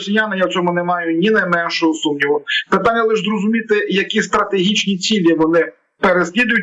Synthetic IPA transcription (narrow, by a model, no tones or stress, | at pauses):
sʲijanɐjawt͡sʲɔmʊnemɑjʊnʲinɐjmɛnʃɔɦɔsumnʲiʋɔpɪt̪anʲːɐlˠɪʒzɾɔzʊmʲit̪ɪjɐkʲist̪ɾɐt̪eɦʲit͡ʃnʲit͡sʲilʲiʋɔnɪ | peɾesʲlʲid̪ʊjʊtʲ